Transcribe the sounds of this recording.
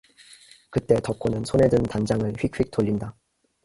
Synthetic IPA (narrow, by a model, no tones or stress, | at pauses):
kɯt͈e̞tʌk͈ʰonɯnsʰone̞dɯntand͡ʑaŋɯɭɸɥik̚ɸɥik̚t͈oʎːinda